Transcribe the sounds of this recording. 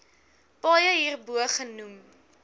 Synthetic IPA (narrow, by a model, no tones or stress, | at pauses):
pɑːjəɦiːrbuəχənum